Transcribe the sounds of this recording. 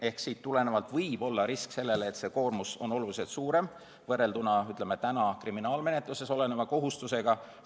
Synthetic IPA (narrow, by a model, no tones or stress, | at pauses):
e̞hksiːt̪t̪ːule̞ne̞vɑlt̪vɤjb̥o̞lːɑɾiskse̞lːe̞leːt̪se̞ːko̞ːrmuso̞no̞lulise̞lt̪suːɾe̞m | vɤrːe̞ld̪unɑyt̪lemːet̪ænɑkriminɑːlme̞ne̞t̪luse̞so̞le̞nemɑko̞ɦust̪use̞ɡ̥ɑ